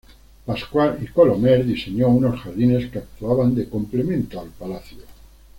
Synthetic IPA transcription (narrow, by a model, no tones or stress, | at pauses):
paskwalikolomeɾðise̞ɲounosxaɾðine̞skeak̚t̪uaβand̪e̞komple̞mẽnt̪oalpalaθjo